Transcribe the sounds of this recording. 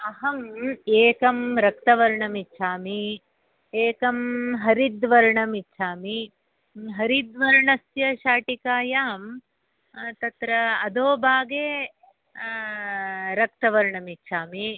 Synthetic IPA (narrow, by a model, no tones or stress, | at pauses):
ɐɦɐmeːkɐmɾɐk̚t̪ɐʋɐɾɳɐmitːʃʰaːmi | eːkɐmɦɐɾid̪ʋɐɾɳɐmitːt͡ʃʰaːmi | ɦɐɾid̪ʋɐɾɳɐsjɐʃaːʈikaːjaːm | t̪ɐt̪ɾɐɐd̪oːbʱaːɡeː | ɾɐk̚t̪ɐʋɐɾɳɐmitːʃʰaːmi